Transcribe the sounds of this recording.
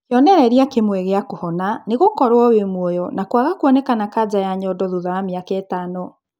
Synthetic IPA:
kjɔnɛɾɛɾiakemwɛɣeakohɔnaneɣokɔɾwɔwemwɔjɔnakwaɣakwɔnɛkanakad͡ʑajaɲɔdɔðuðaɾamjakɛtanɔ

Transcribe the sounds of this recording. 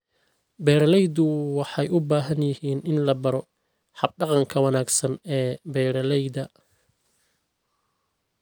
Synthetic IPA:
bɛːɾɐlɛjd̪ʊwɑħɑjʔʊbaːɦɐnjɪhiːnɪnlɐbɐɾɔ | ħɑb̚ɖɑqɑŋkʰɐwɑnaːɡsɐnɛːbɛːɾɐlɛjðɐ

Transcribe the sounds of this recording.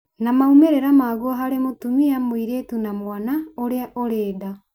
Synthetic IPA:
namaumeɾeɾamaːɣoɦaɾemotumiamoiɾetunamwanaoɾeaʔoɾeːda

